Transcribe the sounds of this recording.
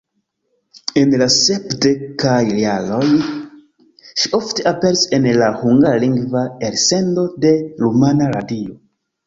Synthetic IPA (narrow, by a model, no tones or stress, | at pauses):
e̞nlase̞pde̞kajalo̞j | ʃio̞fte̞ape̞ɾise̞nlahuŋɡaliŋɡvaeɾse̞ndo̞de̞ɾumanaɾadio̞